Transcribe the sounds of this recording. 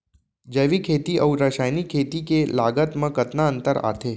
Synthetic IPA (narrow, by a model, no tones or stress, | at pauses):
d͡ʒəʋikʰet̪iʔəuɾəʃajnikʰːet̪ikelaɡət̪mə̃kət̪naənt̪əɾa̰t̪ʰe